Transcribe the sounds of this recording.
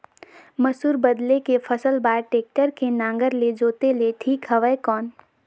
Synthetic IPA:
mɐsuːɾbəd̪lekefʰəsəlbaːɾʈeːk̚ʈəɾkenãːŋɡəɾled͡ʒoːt̪eleʈʰiːkɦɐʋəekɔːn

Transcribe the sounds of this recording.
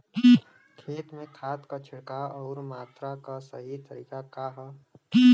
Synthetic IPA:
kʰeːt̪mẽkʰaːt̪kat͡ʃʰɪɽkaɔːɾmaːt̪ɾakasəɦit̪əɾiːkakaɦ

